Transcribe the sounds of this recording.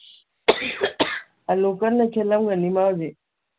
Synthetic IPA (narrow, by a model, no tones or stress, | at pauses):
aloːkənːekʰeləmɡənimaːwd͡ʒe